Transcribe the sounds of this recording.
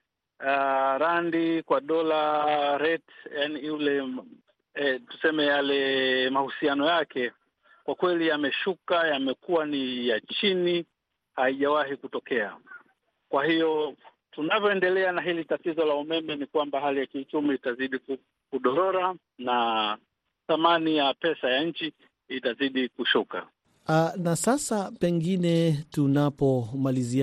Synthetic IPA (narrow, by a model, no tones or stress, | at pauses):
aɾandikwaɗɔlaɾɛtjanijulɛ | tu̥sɛmɛjalɛmahusianɔjakɛ | kwakwɛlijamɛʃukajamɛkuwanijat͡ʃini | haiʄawaɦikutɔkɛa̰ | kwahijɔ | tunavjɔɛndɛlɛanaɦilitatizɔlaumɛmɛnikwambaɦalijakiut͡ʃumiːtaziɗiku | kuɗɔɾɔɾa | na | θamanijapɛsajaɲ̩t͡ʃi | itaziɗikuʃuka̰ | anasasapɛŋɡinɛtunapɔmalizi